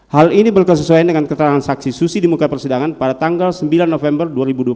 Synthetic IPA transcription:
halinibərkəs̬əsuajandəŋankət̪əɾaŋansaksisusidimukapərsidaŋanpadat̪aŋɡalsəmbilanːofɛmbərduaɾibudua

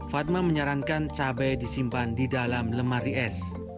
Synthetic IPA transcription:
fat̪̚maməɲaɾankant͡ʃabɛdisimpandidalamləmariɛs

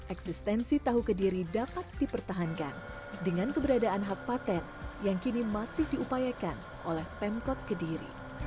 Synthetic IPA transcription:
ʔɛksist̪ɛnsit̪aɦukədiɾidapat̪̚dipərt̪aɦankan | dəŋankəbəɾadaʔanɦak̚pat̪ɛn | jaŋkinimasɪhdiupajakan | ʔolɛhpɛmkɔt̪̚kədiɾḭ

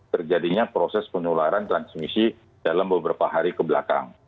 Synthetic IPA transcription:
t̪ərd͡ʒadiɲapɾosɛspənulaɾant̪ɾansmisi | d̥alambəbəɾapaɦaɾikəbəla̰ka̰ŋ

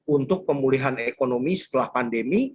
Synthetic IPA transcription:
unt̪ʊk̚pəmuliɦanekonomisə̥t̪əlahpandemi

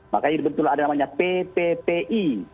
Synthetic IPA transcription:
makaɲadibənt̪ulaadanamaɲapepepeʔi

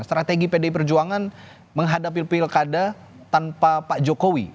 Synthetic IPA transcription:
st̪ɾat̪eɡipedaip̬ərd͡ʒuaŋan | məŋɦadap̬ilpilkada | t̪anpapaʔd͡ʒokowi

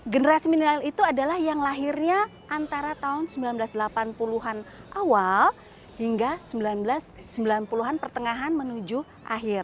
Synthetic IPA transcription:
ɡənəɾasiminəɾalit̪uadalahjaŋlaɦɪrɲa | ʔant̪aɾat̪aʊnsəmbilanblasdəlapanpuluɦan | ʔawal | hiŋɡasəmbilanblasːəmbilanpuluɦanpərt̪əŋaɦanmənud͡ʒu | ʔa̰ɦɪr

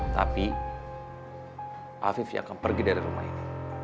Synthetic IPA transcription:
t̪api | ʔafifj̰a̰kanpərɡidaɾiɾuma̰ḭni

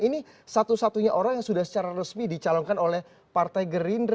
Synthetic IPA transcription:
ini | sat̪usat̪uɲaʔoɾaŋjaŋsudahsə̥t͡ʃaɾarəsmidit͡ʃalɔŋkanolɛh | part̪ajɡəɾinr

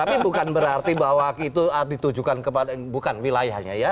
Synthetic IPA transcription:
t̪apibukanbəɾart̪ibawakit̪uadit̪ud͡ʒukankəpadabukanwilajahɲa̰ja

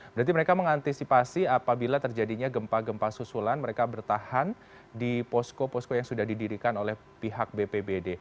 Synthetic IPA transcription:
b̥ɾat̪̬iməɾekaməŋant̪isipasiapabilat̪ərd͡ʒadiɲaɡəmpaɡəmpasusulanməɾekabərt̪ahan | dipɔskopɔskojaŋsudahdidiɾikanolɛh | piɦak̚bepebede

